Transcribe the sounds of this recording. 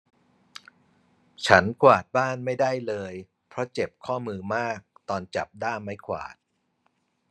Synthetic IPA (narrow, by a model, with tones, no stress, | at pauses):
t͡ɕʰa˦˥nkʰwaː˨˩t̪̚baː˥˩nma˥˩jda˥˩jlɤː˧j | pʰɾɔ˦˥t͡ɕe˨˩p̚kʰɔː˥˩mɯː˧maː˥˩k̚t̪ɔː˧nt͡ɕa̰˨˩p̚daː˥˩ma˥˩jkʰwa̰ː˨˩t̪̚